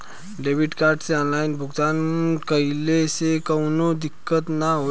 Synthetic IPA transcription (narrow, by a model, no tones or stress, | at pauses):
ɖebiʈkaɾɖt͡seɔnlainbʱuɡt̪ankəjlesekəwnod̪ikːət̪naɦo